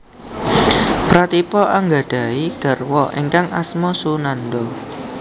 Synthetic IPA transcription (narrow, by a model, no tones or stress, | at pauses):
pɾat̪ipɔʔaŋɡa̤ɖ̥a̤iɡ̥a̤rwɔʔḛŋkaŋʔasmɔsunandɔ